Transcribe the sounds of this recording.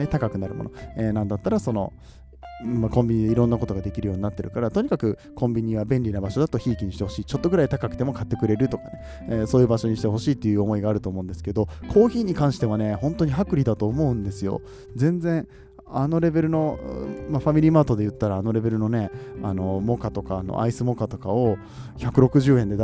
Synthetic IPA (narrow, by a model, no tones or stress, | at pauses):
et̪akakɯ̟naɾɯ̟̰mo̞̰no̰eːnãnd̪at̪ːaɾaso̞no̞̰ | mːakõ̞mbʲiɲ̟id̪eiɾõ̞nːako̞t̪o̞ɡad̪e̞kʲiɾɯjo̞ːɲ̟inat̪ːe̞ɾɯ̟kaɾat̪o̞ɲ̟ʲikakɯ̟ | kʰõ̞mbʲiɲ̟iβabẽ̞nʲɾʲinabaɕod̪at̪o̞çiːkʲiɲ̟iɕi̥t̪e̞ho̞ɕiːt͡ɕo̞t̪ːoɡɯ̟ɾait̪akakɯ̟t̪e̞mokat̪ːe̞kɯ̟ɾe̞ɾɯ̟t̪o̞kane | eso̞ːjɯ̟ːbaɕo̞ɲ̟iɕi̥t̪eɦo̞ɕiːt̪ːe̞jɯ̟ːomo̞iɡaːɾɯ̟t̪o̞ːmo̞ɯ̃nd̪esɨ̥ke̞d̪o̞kʰo̞ːçiːɲ̟ikãɰ̃ɕi̥t̪e̞β̞ane̞hõ̞nt̪o̞ɲ̟iɦakɯ̟ɾʲid̪at̪o̞ːmo̞ɯ̟̃nd̪e̞sɨjo̞̰ | d͡zẽ̞nd͡zẽ̞ | ano̞ɾe̞be̞ɾɯ̟no̞maɸamʲiɾʲiːmaːt̪o̞d̪e̞jɯ̟t̪ːaɾaːno̞ɾe̞be̞ɾɯ̟no̞ne̞ano̞mo̞kat̪o̞kaːno̰ʔa̰isɨmo̞kat̪o̞kao̞ | çʲakɯ̟ɾo̞kɯ̟ʑɨːend̪e